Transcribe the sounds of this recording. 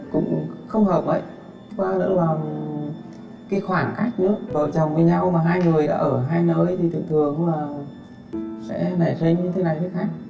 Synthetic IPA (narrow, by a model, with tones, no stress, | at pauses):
kʊ̰˧˥ŋ͡mxə˧wŋ͡mhəː˨˩p̚və̰˧˨jʔ | kwaː˧lə̰˧˥vaː˨˩wŋ͡m | kiː˧˨˦xwaː˧˩ŋka˦˥jk̟̚nɨ̰˧˥vəː˧˩t͡ɕə˨˩wŋ͡mvi˨˩ɲa˧wmaː˨˩ɦaː˧jŋɨ˨˩əjɗa̰ː˧˥ʔəː˧˩ɦaː˧jnəː˧˦jt̪ʰi˨˩t̪ʰɨ̰˧˨ŋt̪ʰɨ˨˩əŋ˧˦laː˨˩ | sɛ̰˧˥na˧˩sə˨˦jɲɨ˧t̪ʰe˨˦na˨˩jt̪ʰːxa˦˥ŋ̚